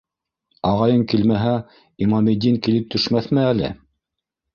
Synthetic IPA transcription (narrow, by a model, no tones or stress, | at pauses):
ɑʁɑjɤŋkilmæɦæ | imɑmid̪iŋkilɘp̚t̪ʰɵ̆ʃmæθmɘælɘ̰